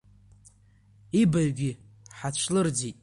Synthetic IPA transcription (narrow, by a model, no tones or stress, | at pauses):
ibaɥɡʲɪ | ħat͡ɕʷʰlɨrd͡zitʼ